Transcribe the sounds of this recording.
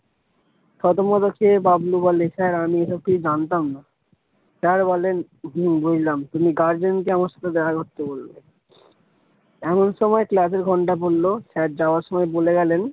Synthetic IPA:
ʃɔt̪omɔd̪okʰebablubɔleʃɛɾamieʃɔb̚kiud͡ʑant̪amna | ʃɛɾbɔlen | ɦbud͡ʑʱlamt̪umiɡaɾd͡ʑenk̬eamaɾʃḁt̪ʰed̪ɛkʰakoɾt̪ebolbḛ | ɛmonʃɔmɔeklaseɾɡʱɔɳʈap̬olːoʃɛɾ̚d͡ʑaaɾʃɔmɔeboleɡɛlen

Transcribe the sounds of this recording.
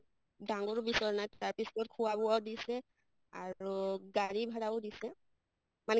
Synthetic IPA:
daŋɡɔɹbisɔɹɔnajaɹpisɔtkʰʊwabʊawdisɛ | auɡaɹibʱaɹabʊdisɛ | manɛ

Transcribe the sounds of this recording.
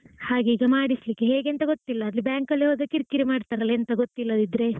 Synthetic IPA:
haːɡeiːɡɐmaːɽislikːeɦeːɡent̪ɐɡot̪ːilːɐːd̪libjaːŋkɐlːiɦoːd̪ɐkiɾkːiɾimaːɖt̪aɾɐleɐnt̪ɐɡot̪ːilːɐd̪id̪ɾe̞

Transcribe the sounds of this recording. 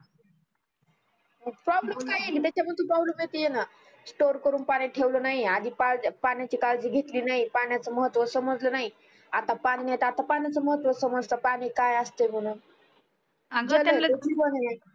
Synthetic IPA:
məpɾɔblemkajeliːt̪̬at͡ɕam̤əd̪̚t̪upaɦuluːɡʱet̪ijena | sʈoɾkəɾuːnpaɽ̃ẽʈʰeʋlonaɦiad̪ʱiːpalpaɽ̃jat͡ɕiːkald͡ʑiːɡʱet̪liːnaɦipaɽ̃jat͡səməɦət̪ːʋəsəməd͡zlənaɦi | at̪apaɽ̃iːnajt̪at̪apaɽ̃jat͡səməɦət̪ːʋəsəməd͡zləpaɽ̃ikajəst̪em̤əɽ̃uːn | d͡zələeibənnai

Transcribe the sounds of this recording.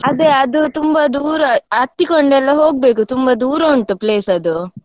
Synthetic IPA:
ɐd̪eɐd̪ut̪umbɐd̪uːɾɐɐt̪ːikoɳɖɛlːɐɦoːɡ̚be̞ːkut̪umbɐd̪uːɾɐːɳʈupleːsɐd̪u

